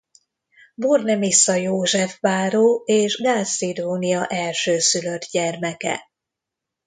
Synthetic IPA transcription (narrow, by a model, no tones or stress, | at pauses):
bornɛmisːɒjoːʒɛfbaːɾoːeːʒɡaːsid̪oːnijɒʔɛlʃøːsylø̞t̪ɟɛrmɛkɛ̰